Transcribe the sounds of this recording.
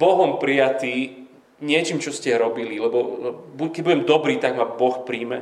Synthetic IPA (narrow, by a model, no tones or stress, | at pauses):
bɔɦɔmpɾijat̪iː | ɲɪɛt͡ʃiːmt͡ʃɔscɛɾɔbililɛbɔbukɛɟ̚buɟɛmd̪ɔbɾiːt̪aɡmabɔxpɾiːmɛ